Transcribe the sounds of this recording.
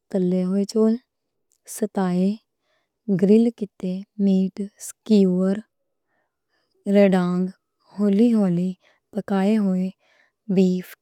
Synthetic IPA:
t̪əlːeːɦoːeːt͡ʃoːl | sət̪aːeː | ɡɾɪlkɪt̪eːmiːʈskuːəɾ | ɾeɖãːŋɡ | hoːliːɦoːliː | pəkaːeːɦoːeː | biːpʰ

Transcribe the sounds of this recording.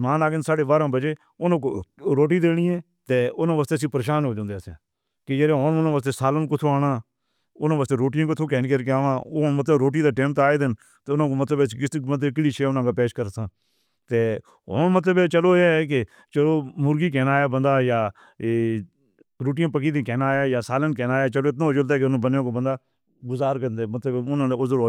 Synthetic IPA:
maːnaːɡɪnsaːɽeːʋaːɾãːbəd͡ʒeː | ʊnãːkoɾoːʈ̬iːd̪eːɽ̃iːɛ̃ː | t̪eːʊnãːʋaːst̪eːəs̬ĩːpəɾeːʃaːnɦoːd͡ʒãːnd̪eːsã̰ː | kɪd͡ʒeɾeːɦoːnʊnãːʋaːst̪eːsaːlənkʊt̪ʰoːaːɽãː | ʊnãːʋaːst̪eːɾoːʈijãːkʊt̪ʰoːkɛːnːkəɾkeaːʋãːoːɦoɳmət̪ləbɾoːʈ̬iːd̪aːʈɛ̃ːmt̪aːed̪ɪn | t̪eːʊnãːkoːmət̪ləbɛskɪbət̪ːkliːʃeːʊnãːkaːpeːʃkəɾt̪ʰãː | t̪eː | ɦoːɳmət̪ləbɛːt͡ʃəloːeːke | t͡ʃəloːmʊɾɡiːkɛːnaːjaːbənd̪aːjaː | ɾoːʈ̬ijãːpəkiːd̪ĩːkɛːnaːjaːjaːsaːlənkɛːnaːjaːt͡ʃəloːɪt̪nãːd͡ʒʊlt̪aːkeʊnãːbənjãːkoːbənd̪aː | ɡʊzaːɾkənd̪eːmət̪ləbʊnãːneːʊzəɾo

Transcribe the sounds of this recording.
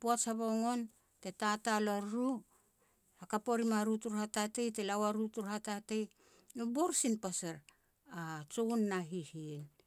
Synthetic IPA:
poasaβoŋo̞n | te̞tatalaɾɾu | hakapo̞ɾimaɾutuɾhatatejtelawaɾutuɾhatatej | nobo̞ɾsinpasaɾ | at͡ʃounːaɦihien

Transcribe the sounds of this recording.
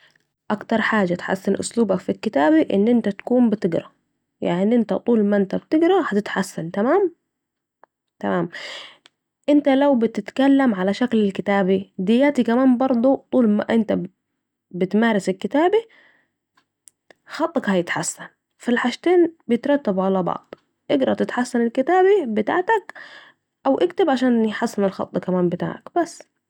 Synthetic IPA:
ʔakt̪ɑɾˤħaːd͡ʒat̪ħa̰sːɪnʔʊ̰sluːbakfilkɪt̪aːbiʔɪ̰nːʔɪnt̪at̪ḁkuːmbɪt̪ɪɡɾa | jaʕnʔɪnt̪at̪ˤuːlmaʔɪnt̪abt̪ɪɡɾahat̪ɪt̪ħasːant̪amaːm | t̪amaːm | ʔɪnt̪alawbɪt̪ɪt̪kalːamʕalaʃaklalkɪt̪aːbid̪ɪjːaːt̪ikamaːmbɑɾˤd̪ˤut̪ˤuːlma̰ʔɪnt̪a | bɪt̪maːɾɪsɪlkɪt̪aːbi | xɑt̪ˤːɑkhajɪt̪ħasːan | filħaʃt̪eːnbɪjɪt̪ɾˤɑt̪ːabʕalabɑ̰ʕd̪̥ˤ | ʔɪɡɾˤɑt̪ɪt̪ħasːanɪlkɪt̪aːbibɪt̪a̰ːʕt̪ak | ʔawʔɪkt̪ɪbʕaʃaːnjħasːɪnɪlxɑ̰t̪ˤːkamaːmbɪt̪a̰ːʕa̰kb̥asː

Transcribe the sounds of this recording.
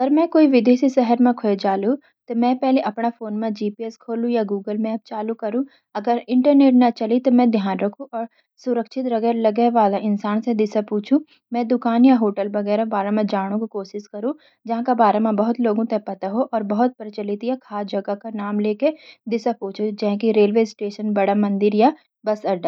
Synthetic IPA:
ɐɡəɾmɛ̃koːiʋɪd̪eːsisɛɦəɾmẽkʰoed͡ʒaːlu | t̪omɛ̃pɛɦleʔɐpnafoːnmẽd͡ʒiːpiɛskʰoːlũjaɡuːɡəlmẽɐb̚t͡ʃaːlukɐɾũ | ɐɡəɾɪ̃ɳʈəɾneːʈnat͡ʃɐlit̪omɛ̃d̪ʱjaːnɾɐkʰũʔɔːɾ | sʊɾəkʃɪt̪ɾɐɡɛːɾlɐɡɛːʋaːlaʔɪ̃nsaːnsed̪ɪsapuːt͡ʃʰũ | mɛ̃d̪ʊkaːnjaɦoːʈəlbɐɡɛːɾabaːɾamẽd͡ʒaːɽ̃õkikoːʃɪskɐɾũ | d͡ʒɐɦãkabaːɾamẽbɐɦʊt̪loːɡõt̪epɐt̪aɦoʔɔːɾbɐɦʊt̪̚pɐɾt͡ʃəlɪt̪jakʰaːd͡ʒɐɡakanaːmleːked̪ɪsapuːt͡ʃʰud͡ʒɛ̃ɦkiɾeːlʋeːsʈeːʃənbɐɽamɐ̃nd̪ɪɾja | bɐsɐɖa

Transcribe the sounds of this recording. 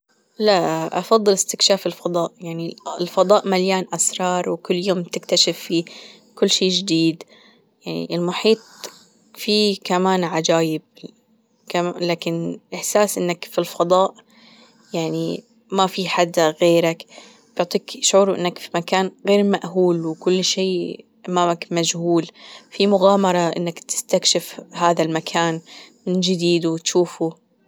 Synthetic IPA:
laʔʔɑfɑðˤːɨlɪst̪ɪkʃaːfɪlfɑd̪ˤɑːʔjaʕniɪlfɑd̪ˤɑːʔmaljaːnʔasɾˤɑːɾˤwkʊlːjoːmt̪ɪkt̪aʃɪfːi | kʊlːʃiːd͡ʒɪd̪iːd̪ | jaʕnḭʔɪlmʊħiːt̪̚ˤ | fikamaːnʕad͡ʒaːjɪb̚ | kalaːkɪnʔɪħsaːsʔɪ̰nːakfilfɑd̪ˤɑːʔ | jaʕni | mafiħad̪aɣeːɾak | b̥ʊʕt̪ˤiːkʃʕuːɾuʔɪ̰nːakfi̥makaːnɣeːɾmaʔɦuːlwɪkʊlːʃeː | ʔamaːmakmad͡ʒhuːlfimʊɣaːmɑɾˤɑʔɪ̰nːakt̪ɪ̥st̪akʃɪfhaːðalmakʰaːnmɪnd͡ʒɪd̪iːd̪uwɪt̪ʃuːfu

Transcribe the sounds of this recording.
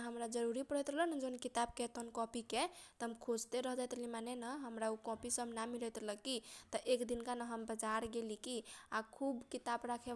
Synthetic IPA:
ɦəmɾad͡ʒəɾuɾipəɽɛt̪ɾəɦlənd͡ʒonkit̪ab̚ket̪onkɔ̃piket̪əɦəmkʰod͡ʒt̪eɾəɦd͡ʒajt̪limanenəɦəmɾaukɔ̃pisəbnamiɾɛt̪ɾələkit̪ɔʔekd̪inkanəɦəmbəd͡ʒaɾɡelikiakʰubkit̪abɾakʰe

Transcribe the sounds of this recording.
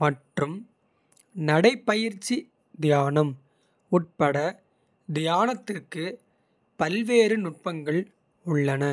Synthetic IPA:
mɐʈrɯm | nɐɽɐɪpːɐjɪɾt͡ʃːi | d̪ɪjaːnɐm | ʊʈ̚pɐɽɐ | d̪ɪjaːnɐt̪ːɪrkɯ | pɐlʋeːɾɯnʊʈ̚pɐŋɡɐɭ | ʊɭːɐnɐ

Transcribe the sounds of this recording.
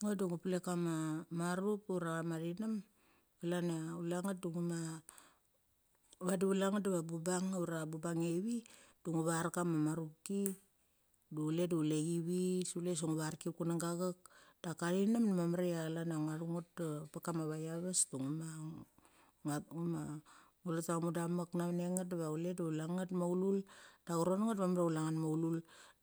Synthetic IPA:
ŋoduŋupulekamamaɾupuɾaamaɾinam | alanaulaŋat̚duŋuma | βadiulaŋadaβabubaŋuɾabubaŋeβid̥uŋuβaɾkamamaɾup̚ki | dule̞duuleɡiβisules̬oŋuβaɾkikunaŋɡaɣak̚d̥akaɾinamnamamaɾealanaŋaɾuŋotpakamaβajaβastuŋumaŋ | ŋauma | ulotamudamaknaβneŋat̚daβaule̞daulaŋatmaululd̥aɡuɾonŋat̚βamaɾaulaŋanmaulul

